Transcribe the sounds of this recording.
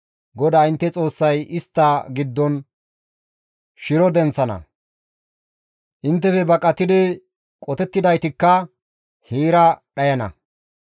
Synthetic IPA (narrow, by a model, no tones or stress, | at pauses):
ɡɔd̪aːɪnt̪ːɛt͡sʼo̞ːsːɐjɪst̪ːɐɡɪd̪ːɔn | ʃɪɾɔd̪ɛnt͡sːɐnɐ̰ | ʔɪnt̪ːɛfɛbɐkʼːɐt̪ɪd̪ɪ | kʼɔt̪ɛt̪ːɪd̪ɐjt̪ɪkːɐ | hiːɾɐɗɐjɐnɐ̰